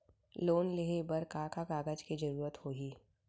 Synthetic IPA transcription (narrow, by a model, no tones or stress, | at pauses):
loːnleɦebəɾkaːkakaːɡəd͡ʒkid͡ʒɐɾuːɾət̪hoːɦiː